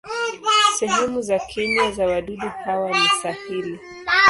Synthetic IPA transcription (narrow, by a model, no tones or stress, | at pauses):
sɛɦɛmuzakʰɛɲazawaɗuɗuhawanisafiɾi